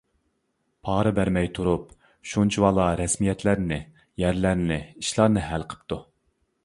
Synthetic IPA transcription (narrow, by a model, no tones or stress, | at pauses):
pʰɑːɾɨbæɾmɛjt̪ʰuɾup̚ | ʃunt͡ʃʰiwɑlˠɑɾɛsmijɛt̪ʰlæɾnɪ | jæɾlæɾnɪiʃlˠɑɾnɨɦælˠqʰə̥p̚t̪u